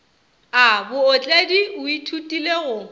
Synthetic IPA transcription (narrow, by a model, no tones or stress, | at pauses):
abʊːt͡ɬʼadiʊitʰutʼileɣʊ